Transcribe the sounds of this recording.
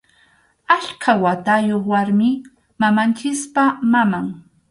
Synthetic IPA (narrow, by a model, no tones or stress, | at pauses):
aʎkʰawat̪ajoχwaɾmɪ | mamant͡ʃɪspamamaŋ